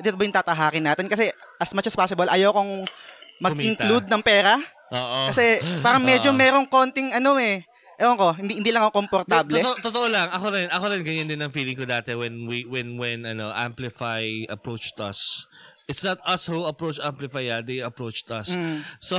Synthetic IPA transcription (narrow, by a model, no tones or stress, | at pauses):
t̪ɪt̪obɐjʊŋt̪aːt̪ɐɦaːkɪnːaːt̪ɪnkɐsɛʔɐsmat͡ʃɐspaːsɪbɐlʔɐjawkoŋmɐɡmɪŋklud̪̚nɐŋpɛːɾɐ | ʔoːʔokɐsɛpaːɾɐŋmɛd͡ʒomɛːɾo̞ŋko̞nt̪ɪŋɐnoɛ | ʔɐloʔɐŋko̞ɦɪnd̪ihɪniːlɐŋkokompoɾt̪aːblɛt̪ot̪oʔolɐŋɐkoɾɪnɐkoɾɪnɡɐɲand̪ɪnɐŋfiːlɪŋkod̪aːt̪ɛwɛnwiwɛnwɛnɐnoʔa̰mplɪfajɐpɹot͡ʃt̪ɐ̰s | ʔɪt̪snɐt̪̚ɐshuɐpɹot͡ʃamplɪfajad̪ejɐpɹowt͡ʃt̪ɐ̰s̩ːo